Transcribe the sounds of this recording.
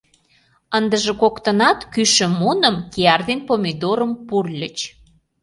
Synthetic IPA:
ənd̪əʒĕkokt̪ənɑt̪kyʃə̆mːunəmkeɑrd̪enpomʲid̪oɾəmpurlʲət͡ɕ

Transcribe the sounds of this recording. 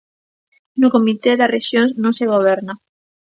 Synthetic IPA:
nʊkomit̪eðareʃjoŋsnõnseɣ̞oβ̞ɛɾna

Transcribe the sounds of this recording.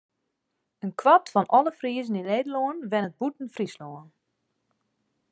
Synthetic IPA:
ənkwatfɔnʔɔlˠəfriəzən̩ineːdəloənʋɛnət̚butn̩frisloən

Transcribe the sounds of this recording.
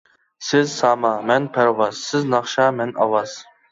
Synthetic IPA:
sɪzsɑmɑmɛnpʰæɾwɑz̥sɪznɑχʃɑmɛnɑ̰wɑz̥

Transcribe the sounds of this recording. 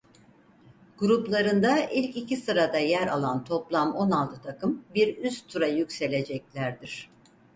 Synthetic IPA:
ɡ̥uɾuplˠaɾɯnd̪aʔilʲcicisɯɾad̪ajæɾalˠant̪ʰo̞plˠamo̞nalˠt̪ʰɯt̪ʰakʰɯmbiɾyst̪ʰuɾajycse̞lʲe̞d͡ʒɛclʲæɾd̪iɾ̥

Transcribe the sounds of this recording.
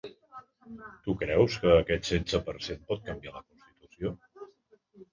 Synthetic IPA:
t̪ukɾɛwskəːkɛt̪sensəpəɾsenpɔt̪̚kəmbialəkunst̪it̪usio

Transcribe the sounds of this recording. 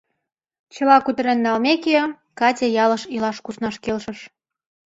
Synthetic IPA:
t͡ɕə̆lɑkud̪ə̆ɾenːɑlmeke | kɑtʲejɑlə̆ʃilɑʃkusnɑʃkelʃə̆ʃ

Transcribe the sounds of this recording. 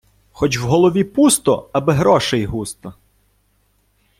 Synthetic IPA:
xɔt͡ʃwɦɔlˠɔʋʲipust̪ɔɐbɪɦɾɔʃejɦust̪ɐ

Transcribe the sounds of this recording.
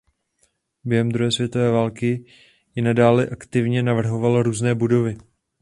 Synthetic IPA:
bjɛɦɛmd̪ɾuɦɛːsvjɛt̪o̞vɛːvaːlkɪ | jɪnadaːlɛʔakt̪ɪvɲɛnavr̩ɦo̞valɾuːznɛːbudo̞vɪ

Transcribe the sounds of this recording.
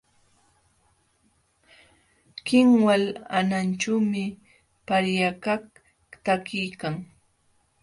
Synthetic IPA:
kɪŋwalanant͡ʃawmɪ | paɾjakak | t̪akɪjkaŋ

